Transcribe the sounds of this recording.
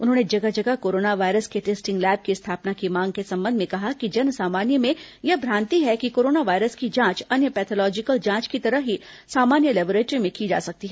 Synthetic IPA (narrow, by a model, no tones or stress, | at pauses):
ʊnɦõːned͡ʒɐɡad͡ʒɐɡakoːɾoːnaʋaːɪɾəskeʈeːsʈɪ̃ŋɡlɛːb̚kist̪ʰaːpnakimãːŋɡ̚kesɐ̃mbə̃nd̪ʱmẽkɐɦakid͡ʒɐnsaːmaːnjəmẽjɐbʱɾaːnt̪iɦɛkikoːɾoːnaʋaːɪɾəskid͡ʒãːt͡ʃɐnjəpɛːt̪ʰɔlɔːd͡ʒɪkəld͡ʒãːt͡ʃkit̪ɐɾəɦɦisaːmaːnjəlɛːboɾeːʈɾimẽkid͡ʒa̰ːsɐk̚t̪iɦɛː